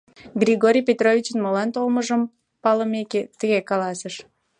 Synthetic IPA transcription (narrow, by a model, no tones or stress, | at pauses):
ɡrʲiɣoɾʲijpʲet̪rovʲit͡ɕənmolɑnt̪olməʒəm | pɑləmeket̪əɣekɑlɑsəʃ